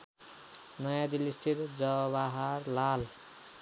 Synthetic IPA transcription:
nʌjãd̪ilisʈʰit̪d͡zʌbaɦaɾlal

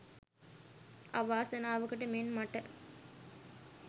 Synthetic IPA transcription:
aʋaːsɐnaːʋɐkɐʈəmenmɐʈɐ

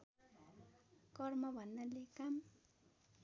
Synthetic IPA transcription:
kʌrmʌbʱʌnːalekam

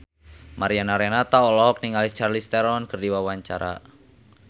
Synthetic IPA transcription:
maɾianaɾɛnat̪aɔlɔk̚niŋalit͡ʃarlist̪ɛɾɔnkɨrdiwawaɲt͡ʃa̰ɾa̰

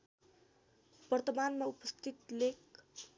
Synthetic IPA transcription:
b̥ʌrt̪ʌmanmaupʌst̪it̪lek

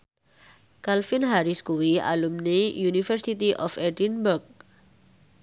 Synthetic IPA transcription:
kalfɪnɦaɾiskuwia̰lumnejunifərsit̪iʔɔfɛdinburk̚

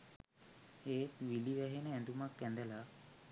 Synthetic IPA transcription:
eːt̪ʋiliʋæɦenəænd̪umakːænd̪əla

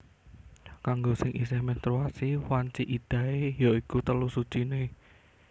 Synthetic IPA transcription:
kaŋɡosɪŋʔisɪhment̪ɾuasiwaɲt͡ʃiʔid̪̥ä̤ejoikut̪əlusu̥t͡ʃine

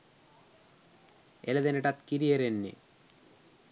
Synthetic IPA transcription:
elɐðeneʈat̪kiɾiɐɾenːḭ

